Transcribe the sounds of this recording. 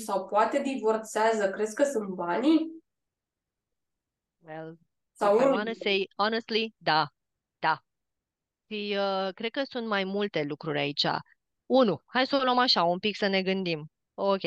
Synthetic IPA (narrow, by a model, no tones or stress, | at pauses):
sawpoat̪e̞d̪ivort̪sazəkɾe̞skəsunt̪̚bani | wel | sawanəse̞jɔnest̪lid̪a | d̪̥a | ʃiəkɾe̞d̪̚kəsunt̪majmult̪e̞lukɾuɾʲa̰it͡ʃa̰ | unuhajsolomaʃaumpiksəne̞ɡɨnd̪im | okʲe